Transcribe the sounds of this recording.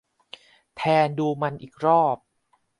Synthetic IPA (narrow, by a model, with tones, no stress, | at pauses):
t̪ʰɛː˧nduː˧ma˧nʔiː˨˩k̚ɾɔː˥˩p̚